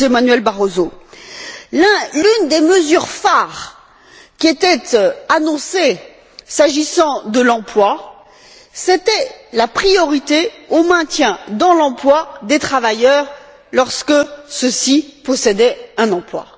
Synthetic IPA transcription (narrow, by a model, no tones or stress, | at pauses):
emanɥɛlbaʁozo | ɛ̃lynd̪eməzyʁfaʁ | kʲiet̪ɛt̪anɔ̃se | saʒisɑ̃d̪əlɑ̃plwa | set̪ɛlapχijɔʁit̪eomɛ̃t̪jɛ̃d̪ɑ̃lɑ̃plwad̪et̪χavajœʁ | lɔʁskəsəsipɔsed̪ɛɛ̃nɑ̃plwa̰